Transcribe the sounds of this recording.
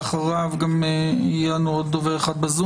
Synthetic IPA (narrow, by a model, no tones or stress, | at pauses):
χaʁavɡamjanuod̪ːoveeχad̪̚bazu